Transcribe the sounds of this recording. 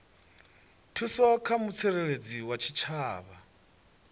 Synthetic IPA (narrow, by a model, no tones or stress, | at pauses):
tʰusɔkʰamut͡sʰɛɺeɺed͡ziwat͡ʃʰit͡ʃʰaːβa̰